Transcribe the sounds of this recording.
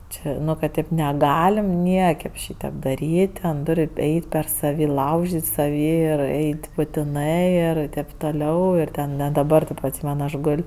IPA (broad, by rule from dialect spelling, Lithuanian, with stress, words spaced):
ˈt͡ʃʲɛ ˈnʊ kɐt ˈtʲeːp nʲɛˈɡɑːlʲɪm ˈnʲiɛkɐɪp ˈʃʲiːtʲeːp dɐˈrʲiːtʲ ˈtʲɛn ˈtʊrʲ ˈɛɪtʲ pʲɛr sɐˈʋʲiː ˈlˠɐʊʒʲɪtʲ sɐˈʋʲiː ɪr ˈɛɪtʲ bʊtʲɪˈnɜ ɪr tɐɪp toːˈlʲɛʊ ɪr ˈtʲɛn nʲɛ dɐˈbɐr tʊ ɐtʲˈsʲiːmʲɛn ˈɐʃ ˈɡoːlʲ